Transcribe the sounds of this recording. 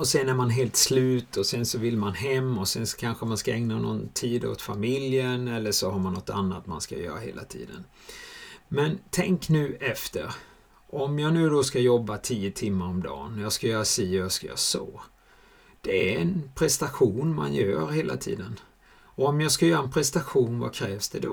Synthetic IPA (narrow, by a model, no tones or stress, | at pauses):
ɔsɛnæɾmanɦeːlt̪slʉ̟ːt̪ʰɔsɛnsɔvɪlmanɦɛmːɔsɛnsɔ̥kʰanɧəmanskaɛŋnanɔ̰nt̪ʰiːd̪o̰t̪famɪljənɛlːəʂɔhaɾmanːɔt̪ːa̰nːat̪ma̰nska̰jœ̰ːɾa̰ɦḛːla̰t̪ʰḭːd̪ə̰n | mɛnt̪ʰɛŋknʉ̟ːʔɛft̪ə̰ɾ | ʔɔmjɑːnʉ̟ːd̪ɔskajɔbːat̪ʰiːət̪ʰɪmːaɾɔmd̪ɑ̰ːnɔjɑːɡskajœːɾasiːjɑskajɑ̰so̰ː | d̪̥ɛæɾɛnpʰɾɛst̪aɧuːnma̰njœ̰ːɾheːla̰t̪ʰḭːd̪ən | ɔɔmjɑːɡskajœːɾaɛnpʰɾɛst̪aɧuːnva̰kʰɾɛːvsd̪ɛd̪ɔ